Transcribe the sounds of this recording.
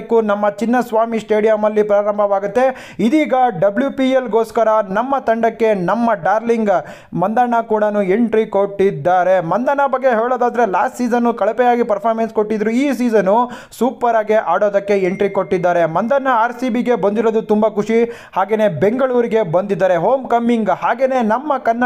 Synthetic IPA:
kːunɐmːɐt͡ʃinːɐsʋaːmisʈe̞ːɽijɐmɐlːipɾaːɾɐmbʱɐʋaːɡut̪ːe̞ | id̪iːɡɐɖɐbljuːpielɡo̞ːskɐɾɐnɐmːɐt̪ɐɳɖɐkːe̞nɐmːɐɖaːɾliŋɡ | mɐnd̪ɐɾɳɐkuːɽɐnue̞ɳʈɾiko̞ʈːid̪ːaːɾe̞mɐnd̪ɐɳɐbɐɡːe̞ɦeːɭoːd̪aːd̪ɐɾe̞laːsʈsiːzɐnːukɐɭɐpɛjaːɡipɐɾpʰaːɾmenskoʈːid̪ɐɾuiːs̬iːzɐnːu | suːpɐɾaːɡeʔaːɽo̞ːd̪ɐkːe̞eɳʈɾiko̞ʈːid̪ːaːɾe̞mɐnd̪ɐɾɳɐaːɾsiːbiɡe̞bɐnd̪iɾoːd̪ut̪umbakʰuʂi | haːɡe̞ːne̞ːbe̞ŋɡɐɭuːɾiɡe̞bɐnd̪id̪ːaːɾeɦoːmkɐmiŋɡhaːɡe̞ːne̞ːnɐmːɐkɐnːɐ

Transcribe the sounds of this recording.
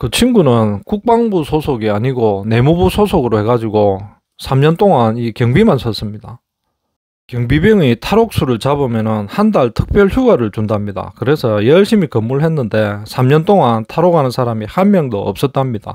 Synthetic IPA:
kɯt͡ɕʰinɡunɯnkuk̚p͈aŋbusʰosʰoɡiaɲiɡone̞mubusʰosʰoɡɯɾohe̞ɡad͡ʑiɡo | sʰamɲʌnt͈oŋanikjʌŋbimansʰʌs͈ɯmɲid̥a | kjʌŋbibjʌŋitʰaɾok̚s͈ʰuɾɯɭt͡ɕabomjʌnɯnhandaɭtʰɯk̚p͈jʌɭçjuɡaɾɯɭt͡ɕundamɲida̰kɯɾe̞sʰʌjʌɭɕ͈imikʌmːuɭhe̞nːɯnde̞sʰamɲʌnt͈oŋantʰaɾoɡanɯnsʰaɾamihanmjʌŋdoʌ̰p̚s͈ʌt̚t͈amɲid̥a̰

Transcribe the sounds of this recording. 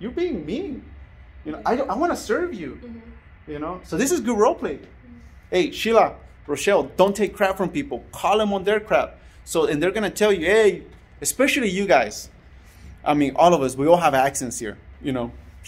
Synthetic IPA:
jə˞biɪ̃ŋmi | jɨnoʊaɪɾõaɪwɑ̃nəsɜ˞vjʉ | jɨnoʊsoʊðɪsɨzɡʊd̚ɹoʊlˠpʰl̥eɪ | eɪʃilˠə | ɹoʃɛlˠdõʊ̃ntʰeɪkʰːɹ̥æpfɹʌ̃mpipl̩ˠkʰɔlˠðə̃mə̃nðə˞kʰɹ̥æp̚ | soʊɨ̃nðə˞ɡʌñɨtʰɛlˠjɨeɪ | ɨspɛʃl̩ˠijɨɡaɪz̥ | ʔa̰ɪmĩnʔɔlˠʌvʌswiɔlˠɦəvæksɨ̃nshḭɹjɨnoʊ

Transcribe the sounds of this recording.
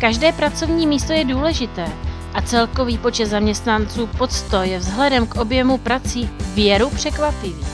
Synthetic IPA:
kaʒdɛːpɾat͡so̞vɲiːmiːst̪o̞jɛduːlɛʒɪt̪ɛː | ʔat͡sɛlko̞viːpo̞t͡ʃɛt̪zamɲɛst̪nant͡suːpo̞t͡st̪ojɛvzɦlɛdɛmkʔo̞bjɛmupɾat͡siːvjɛɾupr̝̥ɛkvapɪviː

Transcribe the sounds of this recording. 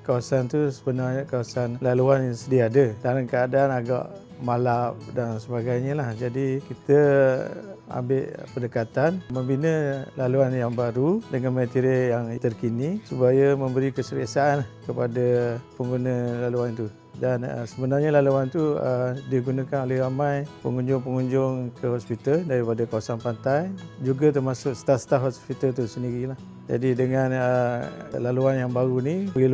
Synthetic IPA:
kawasant̪usəbənarɲəkawasanlaluanjaŋsədiaaːdədalamkəadaːnaɡa̰ʔ | malap̚dansəbaɡajɲəlahd͡ʒadikit̪ə | a̰mbɪʔpəndəkat̪anməmbinə̃laluanjaŋbaɾudəŋanmə̃t̪iɾijaŋt̪ərkinisupajəmə̃mbəɾikəsəɾiasaanlahkəpadapəŋɡunə̃laluant̪u | danə̰səbənarɲəlaluant̪uədiɡunãkanolɛhramãjpə̰ŋuɲd͡ʒʊŋpəŋuɲd͡ʒʊŋkəɦɔspit̪aldaɾipadakawasanpant̪ajd͡ʒuɡat̪ərmasʊkst̪ast̪aɦɔspit̪alt̪usəndiɾilah | d͡ʒa̰didəŋanəlaluanjaŋbaɾunili

